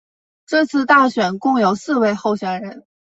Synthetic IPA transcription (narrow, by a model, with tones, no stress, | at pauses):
ʈ͡ʂɤ˥˧t͡sʰɹ̩˥˧t̪a˥˩ɕɥɛ˨˩nkʊ˥˩ŋjo˨˩ʊsɹ̩˥˧we˥˧ɪxo˥˩ʊɕɥɛ˨˩nɻə˧˥n